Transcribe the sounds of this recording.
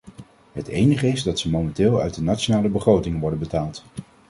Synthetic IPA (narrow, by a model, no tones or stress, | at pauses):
ɦətejnəχəɪzdɑtsəmowmɛntɪːlˠœ̰ɥdənat͡ʃonaːləbəχrowtɪŋʋɔɹdənbətaːlˠt